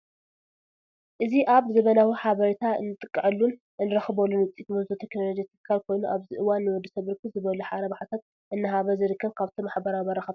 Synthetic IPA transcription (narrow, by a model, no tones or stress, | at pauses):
ʔɨziʔaβzɐβɐnawiħaβɐɾit̪ʰaɨ̰nːɨt̪ʼɨkʼːɨʕɨlːun | ɨnːɨɾɐxɨbɐlːunwɨt͡s̪ʼit̪mɐzd̪ot̪ʰeknolod͡ʒit̪ʰɨ̥kʰːalkʰo̞jnuʔaβzɨʔɨwanːɨwɔd̪ːɐsɐβɾɨkʰːɨzɨβɐluħaɾɐβaħat̪ʰat̪̚ | ʔɨnːɨɦaβɐzɨɾɨkʰːɐβkʰaβt̪ʰomaħbɐɾaβɐɾɐxɐb